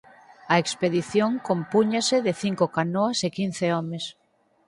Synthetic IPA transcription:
aekspeðiθjoŋkompuɲaseðeθiŋkokanoasekin̟θeɔmes

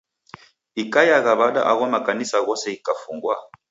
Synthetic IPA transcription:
ikajaɣaβaɗa̰ʔa̰ɣwamakanisaɣɔsɛikafuŋɡwa

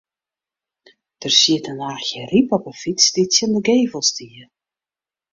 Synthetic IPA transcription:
d̥ərsiətənaːxxjəripɔpəfisditsjondəɡeːvəlˠstʰiə

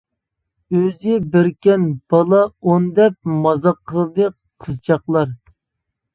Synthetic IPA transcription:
øzɪbɪɾkʲɛnb̥ɑlˠɑond̪ɛp̚mɑzɑqʰːəlˠɨd̪ɨ | qʰːəzt͡ʃʰɑχlˠɑɾ

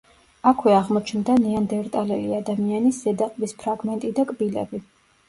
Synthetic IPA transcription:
akʰwɛaʁmɔt͡ʃʰnd̪aniand̪ɛɾt̪ʼalɛliad̪amianiszɛd̪aqʼbispʰɾaɡmɛnt̪ʼid̪akʼbilɛ̰bi

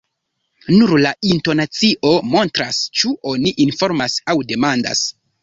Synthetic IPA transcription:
nuɾlainto̞nat͡siʔo̞mo̞ntɾast͡ʃuʔo̞niʔinfo̞ɾmasawde̞manda̰s

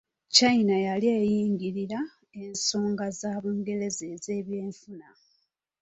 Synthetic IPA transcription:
cainajaliejiːŋɡiɾiɾa | e̞nso̞ːŋɡazaːβuːŋɡe̞ɾe̞ze̞ze̞ːβje̞ːɱfuna

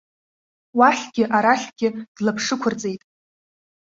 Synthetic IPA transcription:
waħʲɡʲɪʔaɾaɬʲɡ̥ʲɪd̥lapʰʂɨkʷʰʊrd͡zʼe̞jtʼ

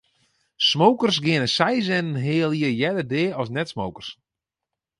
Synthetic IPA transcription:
smowkərsɡɪnəsɛjzɛnənɦɪːlˠjəjɛdərdeːɔsnɛtsmowkərs

